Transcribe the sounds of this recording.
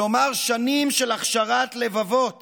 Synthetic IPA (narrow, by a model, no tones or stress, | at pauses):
omaʁʃanimʃelaχʃaʁat̪le̞vavo̞t̪